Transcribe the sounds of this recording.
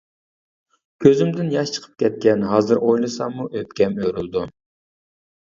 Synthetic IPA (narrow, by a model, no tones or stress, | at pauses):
kʲʰøzɪmd̪ɪnjɑʃt͡ʃʰə̥qʰə̥p̚kʲɛt̪̚kʲɛnɦɑːzɨɾʔojlˠɨsɑmuʔøpkʲɛmøɾylˠd̪u